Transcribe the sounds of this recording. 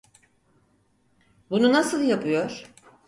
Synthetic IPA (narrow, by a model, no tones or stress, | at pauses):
bununasɯlˠjapʰɯjo̞ɾ̥